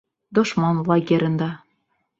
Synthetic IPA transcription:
d̪oʃmɑnvlˠɑɡʲeɾʲə̆nd̪ɑ

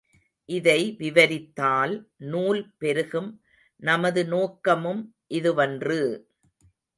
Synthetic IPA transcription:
ʔɪðɐɪʋɪʋɐɾɪt̪ːaːlnuːlpɛɾɯɣɯm | nɐmɐðɯnoːkːɐmɯm | ʔɪðɯʋɐndrɯ

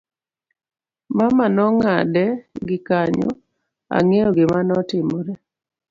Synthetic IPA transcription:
mamanɔŋadɛɡɪkaɲɔ̰ | a̰ŋejoɡɪmanɔtɪmoɾɛ

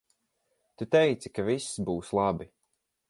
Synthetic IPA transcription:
t̪ut̪ɛjt̪si̥kavisːbuːslˠabi

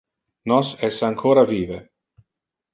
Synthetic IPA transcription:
nɔsɛsaŋkʰoːɾaviːve

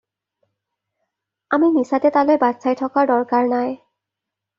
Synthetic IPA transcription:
aminisatɛtalojbadsajtʰɔkaɹdɔɹkaɹnaj

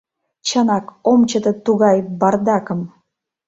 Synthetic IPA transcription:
t͡ɕɑnɑkomt͡ɕət̪ɤ̆t̪uɣɑjbɑrd̪ɑkə̆m

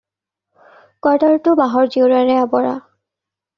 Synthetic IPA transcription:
kɔdaɹtʊbaɦɔɹziɹaɹɛabɔɹa̰

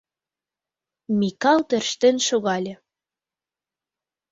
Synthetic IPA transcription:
mikɑlˠt̪ø̆rʃt̪enʃoɣɑlʲĕ

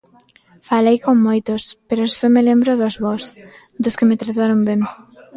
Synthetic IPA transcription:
falejkoŋːojt̪ʊspeɾʊsomelembɾʊðozβɔs | d̪ʊskɪmɪt̪ɾat̪aɾombeŋ

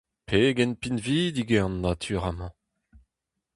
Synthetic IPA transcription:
pʰeɡɛnpinviːd̪iɡeɑ̃nːat̪ʰyːʁamɑ̃

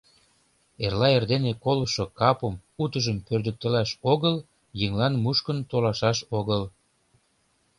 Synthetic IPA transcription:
erlɑerd̪enekoləʃokɑpəmut̪əʒəmpørd̪ə̆k̚t̪ə̆læʃoɣəl | jəŋlɑnmuʃkənt̪olɑʃɑʃoɣəl

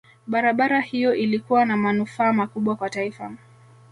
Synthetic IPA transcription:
ɓaɾaɓaɾahijɔʔilikuwanamanufaːmakuɓwakwataifa

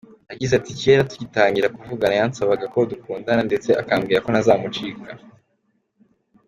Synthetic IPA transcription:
aɟizaticiβeːɾatu̥ɟitaːɲɟiɾakuvuɡanajansaβaɡako̞dukuːndanande̞t͡se̞akaːmɡiːɾako̞nazaːmut͡ʃiːka

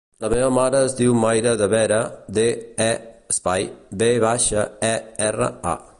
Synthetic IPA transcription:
ləmeβəmaɾəːzðiwmajɾəðəβɛɾəd̪eɛəspajbeβaʃəɛɛrə̰a̰

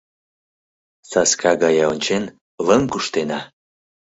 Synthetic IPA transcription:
sɑskɑɣɑjɑonʲt͡ɕen | ləŋkuʃt̪enɑ

